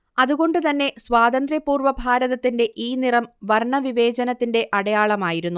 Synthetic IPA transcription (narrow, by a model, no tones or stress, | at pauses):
ɐðuɣo̞ɳɖɨt̪ɐnːe̞swaːd̪ɐnd̪rjɐpːuːrʋɐbʱaːɾɐðɐt̪ːinde̞ʔiːnirɐmʋɐrɳɐʋiʋe̞ːd͡ʑɐnɐt̪ːinde̞ʔɐɽɐjaːɭɐmaːjiɾunːu